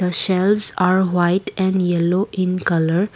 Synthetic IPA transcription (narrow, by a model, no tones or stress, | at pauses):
əʃɛlʋzaːɾʋaɪʈɛ̃ɳɖjɛloʔɪ̃nkʌləɾ